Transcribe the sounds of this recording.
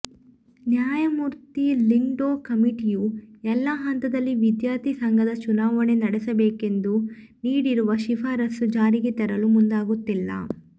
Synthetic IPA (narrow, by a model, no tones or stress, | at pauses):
njaːjɐmuːɾt̪iliŋɖoːkɐmiʈijuɛlːɐɦɐnt̪ɐd̪ɐlːiʋid̪jaːɾt̪isɐŋɡʱɐd̪ɐt͡ʃunaːʋɐɳe̞nɐɽɛsɐbeːke̞nd̪u | niːɽiɾuʋɐʃipʰaːɾɐsud͡ʒaːɾiɡet̪ɛɾɐlumund̪aːɡut̪ːilːɐ̰